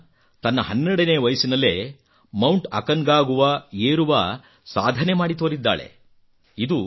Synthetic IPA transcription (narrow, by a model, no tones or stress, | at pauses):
t̪ɐnːɐɦɐnːeɽɐneːʋɐjɐsinɐlːe̞̰ | mɐwɳʈɐ̰kɐŋɡaːɡuʋɐeːɾuʋɐ | saːd̪ʱɐnemaːɽit̪oːɾid̪ːa̰ːɭḛ | id̪u